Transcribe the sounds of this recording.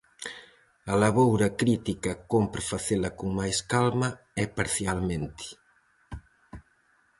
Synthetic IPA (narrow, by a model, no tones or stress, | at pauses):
ɐlaβowɾɐkɾit̪ikɐkompɾafaθelɐkuŋmajskalmɐ | ɛpaɾθjalmẽnt̪i̥